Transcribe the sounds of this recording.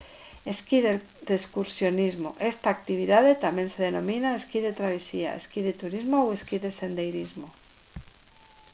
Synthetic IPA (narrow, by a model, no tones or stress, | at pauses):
eskiðe | d̪eskuɾsjo̞nizmoʔe̞st̪aːk̚t̪iβ̞iðaðe̞t̪amje̞nse̞ðenõ̞mĩnaeskiðe̞t̪ɾaβ̞esia̰ḛskiðet̪uɾizmowe̞skiðe̞se̞nd̪ejɾizmo